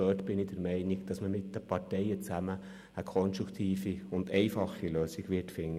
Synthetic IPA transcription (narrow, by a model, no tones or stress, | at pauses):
øtb̥ɪnidəɾmɛɪnɪɡd̥ɑsməmɪt̚d̥əpʰɑɾtɛɪət͡sæməː | kʰɔnstɾukt̪ʰiːfiʊndɛɪfɑχiløːsiɡʋɪtfɪŋːə